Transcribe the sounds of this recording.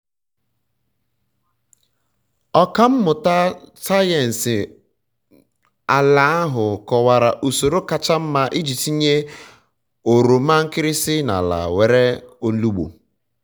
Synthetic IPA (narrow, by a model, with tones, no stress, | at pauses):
ɔ˦ka˦m̩˦mʊ˨ta˦sa˦je˨n̩˨sɪ˨ | a˨la˨˦a˦ɦʊ˨kɔ˨wa˨ɾa˨ʔu˨so˨ɾo˦ka˨t͡ʃa˦m̩˦ma˦ʔi˦d͡ʒi˨ti˦ɲe˦ | o˨ɾo˨m̩a˦ŋ̩˦kɪ˦ɾɪ˦sɪ˦na̰˨la̰˨we˨ɾe˦o˦n̩˦lu˦ɡ͡bo̰˨